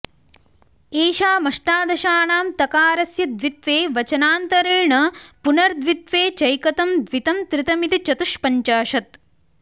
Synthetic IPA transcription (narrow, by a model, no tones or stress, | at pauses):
eːʃaːmɐʂʈaːd̪ɐʃaːɳaːmt̪ɐkaːɾɐsjɐd̪ʋit̪ʋeːʋɐt͡ʃɐnaːnt̪ɐɾiɻɳɐpunɐɾd̪ʋit̪ʋeːt͡ʃɐjkɐt̪ɐmd̪ʋit̪ɐmt̪ɾɪt̪ɐmit̪it͡ʃɐt̪uʂpɐɲt͡ʃaːʃɐt̪̚